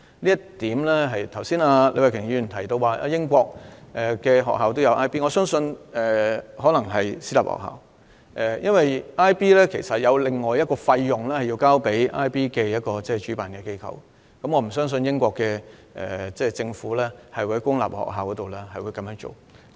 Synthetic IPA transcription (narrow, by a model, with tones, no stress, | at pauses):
liː˥jɐ˥t̪iː˨˥mlɛ˥ɦɐ˨jt̪ʰɐ˨˩wsiː˥naː˧le˧wa˨kʰɪ˨˩ŋyː˧˨˩nt̪ʰɐ˨˩jt̪o˧waː˨˧ʔa̰ː˧jɪ˥ŋkʷɔː˧k̚ʔɛ˨kɛː˧ɦɔ̰ː˨k̚ɦaː˨wt̪o˥wjɐ˧wʔaː˥jpiː˥ŋɔː˨˧sœː˥ŋsɵ˧nɛː˨ɦɔː˨˥lɐ˨˩ŋɦɐ˨jsiː˥la̰ː˨p̚hɔ̰ː˨k̚ha̰ː˨˩w | ʔɛ˨˩jɐ˥nwɐ˨jʔaː˥jpiː˥lɛː˥kʰe˨˩jsɐ˨t̚jɐ˨˧wle˨˩ŋːɔː˨jɐ˥t̚kɔː˧fɐ˧jːʊ˨ŋlɛː˥hɐ˨jːi˧wkaː˥wpe˨˥jʔaː˥jpiː˥kɛː˧jɐ˥t̚kɔː˧t͡sɛː˥˩t͡ʃy˨˥paː˨nkɛː˧ke˥jkʰɐ̰˨˩w | kɐ˥mŋɔː˨˧m̩˨˩sœː˥ŋs̬ɵ˧njɪ˥ŋkʷɔː˧kːɛː˧ | ʔɛ̰˨˩t͡sɛː˥˩t͡sɪ˧ŋfuː˨˥lɛː˥hɐ˨jwhɐ˨˦jkʊ˥ŋla̰˨p̚hɔ̰ː˨˩k̚ɦaː˨wkɔː˨˦t̪o˨wlɛ˥hɐ˨jwuː˨˧jkɐ˧˥mjœː˧˥ŋt͡so̰˨˩w | k